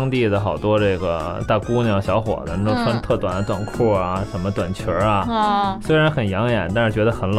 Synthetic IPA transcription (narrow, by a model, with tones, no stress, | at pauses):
ŋt̪i˥˩d̪ə˩xɑ˨˩ʊt̪wɔ˥ʈ͡ʂɤ˥˩ɡə˩t̪a˥˩ku˥njɑ˨˧˩ɕjɑ˧˥ʊxwɔ̰˨˩d̪ə˦n˥˩o˥t͡sʰa˧˥n˥t̪ʰɤ˥˩t̪wa˨˩nd̪ə˦t̪wa˨˩nkʰu˥˩ɐ˩ʂə˧˥nmə˧t̪wa˨˩nt͡ɕʰwə˧˥ɐ˧swe˥ɪɻa˧˥nxə˨˩njɑ˧˥ŋjɛ̰˨˩˦nt̪a˥˧nʂɻ̩˥˩t͡ɕɥɛ˧˥d̪ə˧xə˧˥nl